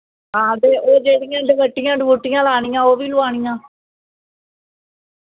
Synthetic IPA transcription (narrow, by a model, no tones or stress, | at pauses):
aːd̪eːʔoːd͡ʒeːɽɪjãːɖɪʋəʈːɪjãːɖɪʋuːʈːɪjãːlaːɳ̃iːãːoːʋiːlʊaːɳ̃iːjãː